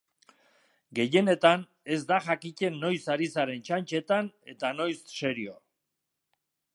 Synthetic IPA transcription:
ɡe̞je̞ne̞t̪an | e̞zd̪aʝakice̞nːo̞jsaɾisaɾe̞nt͡ʃant͡ʃe̞t̪ane̞t̪ano̞jsːe̞ɾio̞

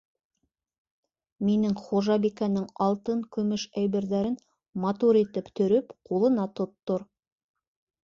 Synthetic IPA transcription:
minɘŋχoʒɑbikænɘŋɑlˠt̪ɤŋkɵ̆mɘʃæjbɘ̆ɾðæɾɘn | mɐt̪uɾit̪ɘpt̪ʰɵ̆ɾɘpqʰulˠɤ̆nɑt̪ŏt̪ːoɾ

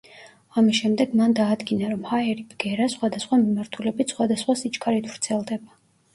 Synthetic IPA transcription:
amisʃɛmd̪ɛɡmand̪aːd̪ɡinaɾɔmhaɛɾib̥ɡɛɾasχwad̪asχwamimaɾt̪ʰulɛbit̪sχwad̪asχwasit͡ʃʼkʰʼaɾit̪ʰvɾt̪sʰɛlˠd̪ɛba

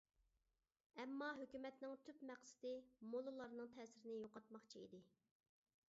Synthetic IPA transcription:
ɛmːɑɦøkʲymɛt̪nɪŋt̪ʰypmæqsɪ̥d̪ɪmolˠɨlˠɑɾnɨŋt̪ʰɛːsɪɾɪnɪjoqɑt̪mɑχt͡ʃʰiḭd̪ɪ

